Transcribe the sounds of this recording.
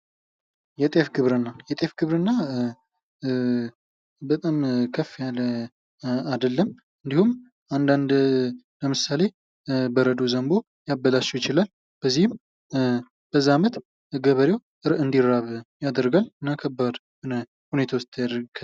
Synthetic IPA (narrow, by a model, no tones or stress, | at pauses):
jɛt̪ʼefɡɨβɾɨnːajɛt̪ʼefɡɨβɾɨnːa | bət̪ʼamkʰəfjalə | ad̪əlːəm | ɨnd̪ihum | and̪and̪ | ləmɨsale̞ | bəɾəd̪ozəmbo̞ | jabəlat͡ʃːɛwjɪt͡ʃɪlal | b̥əzːihɨm | b̥əzːaamət̪ | ɡəβəɾjew | ɨɾʔɨnd̪iɾːaβjad̪əɾɡalɨnːakʰəbːad̪ | bɨnə | hune̞t̪ʰawost̪ʰːjad̪ɾɡ